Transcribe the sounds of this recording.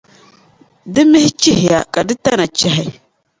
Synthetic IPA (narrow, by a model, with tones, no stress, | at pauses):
dɨ˦mɪ˦hɪ˦t͡ʃi˦hɪ˨ja̰˨kʼa˨dɨ˦ta˦na˨t͡ʃɛ˦ɦa˨˦˨